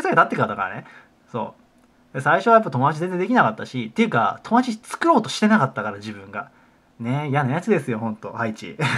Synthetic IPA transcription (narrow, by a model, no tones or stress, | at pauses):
esakeat̪at̪ːe̞kɯad̪aka̰ɾa̰ne | so̞̰ː | d̪esaiɕo̞ajapːat̪o̞mo̞d̪at͡ɕize̞nzẽd̪kʲinakat̪ːaɕit̪ːejɯ̟ka̰t̪ʰo̞mod̪at͡ɕit͡sɨ̥kɯ̟ɾo̞ːt̪o̞ɕi̥t̪e̞nakat̪ːakaɾad͡ʑibɯ̟̃ŋɡa | ne̞ijanajat͡sɨd̪e̞sɨjo̞hõ̞nt̪o̞hait͡ɕḭ